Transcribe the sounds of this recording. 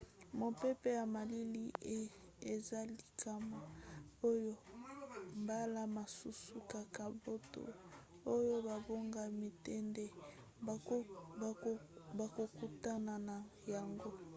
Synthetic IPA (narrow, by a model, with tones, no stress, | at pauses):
mo˨pe˦pe˦ja˨ma˨li˦li˦ | e˨za˦li˨kʰa˦ma˨o˦jo˦ | mba˦la˦ma˨su˦su˨ka˨ka˨bo˦to̰˨o˦jo˦ba˨bo˦ŋɡa˦mi˨tɛ˦ndɛ˦˨ | ba˨ko˨ku˦ta˦na˨na˨ | ja˨ŋɡo˦